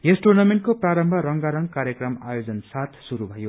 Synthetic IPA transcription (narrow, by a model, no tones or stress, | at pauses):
jesʈornameɳʈ̚kopraɾʌmbʱʌɾʌŋɡaɾʌŋɡkaɾjʌkrʌma̰jod͡zʌnsat̪ʰsuɾubʱʌjo